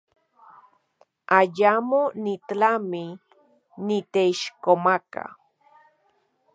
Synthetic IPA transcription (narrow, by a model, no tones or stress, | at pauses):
ajamonit̪ami | nit̪eiʃkomaka̰